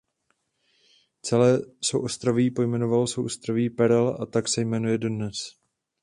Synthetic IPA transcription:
t͡sɛlɛːsowʔost̪ɾavipo̞jmɛno̞valsowʔost̪ɾaviːpɛɾɛla̰t̪aksɛjmɛnujɛdodnɛs

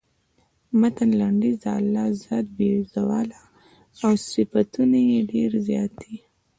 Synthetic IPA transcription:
mat̪anlaɳɖizaalːɑzjɑt̪̚bezawɑ̰la | awsɪfat̪unajeɖeɾzjɑ̰t̪i

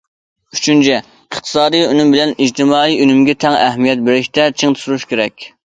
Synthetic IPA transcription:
yt͡ʃʰynt͡ʃʰɛ | əχt̪ʰɨ̥sɑːd̪ijynymbɪlɛnid͡ʒt̪ʰɪmɑːiynymɡʲɛt̪ʰɛŋɛhmijɛt̪̚beɾɪʃt̪ɛt͡ʃʰeŋt̪ʰu̥suɾuʃkʲʰeɾɛkʲ

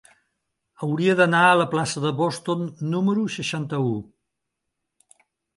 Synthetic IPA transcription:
əwɾiəðənaələplasəðəβɔst̪onːuməɾusəʃant̪əu

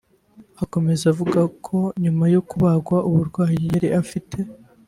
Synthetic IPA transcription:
ako̞me̞zavuɡakʰo̞ɲumajo̞kuβaɡwaʔuβuɾɡwaːhijeɾiʔafitʰe̞

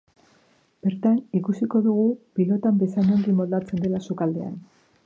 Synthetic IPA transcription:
b̥e̞ɾt̪anikusiko̞ðuɣ̞upilo̞t̪ambe̞saɲoŋɡimo̞ld̪at͡se̞nd̪e̞lasukald̪e̞a̰n

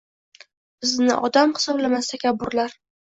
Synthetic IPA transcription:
b̥ɪznɪ̰ʔɒd̪amhɨ̥sɒblamast̪ʰakʲʰabːʊɾlaɾ

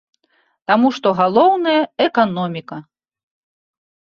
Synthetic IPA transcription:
t̪amuʂt̪ɔɣalˠɔwnɐjɐɛkanɔmʲikɐ

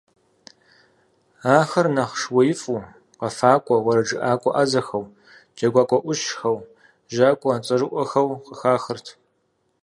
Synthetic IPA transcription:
aːxɐrnaχʂwɐjɪfʼuː | qɐfaːkʷʼɔwɐɾɐd͡ʒɨʔaːkʷʼɔ̰ʔazɐxɐw | d͡ʒɐɡʷaːkʷʼɔʔʷʊʃxɐw | ʒaːkʷʼɔaːt͡sʼɐrɨʔʷɔxɐwqəxaːxərtʰ

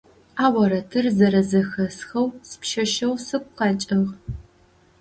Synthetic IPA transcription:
aːwɐɾɐtʰɨrzɐɾɐzɐxɐsxɐwsɨ̥pʃɐʃɐwsɨkʷqɑːt͡ʃʼɪʁ

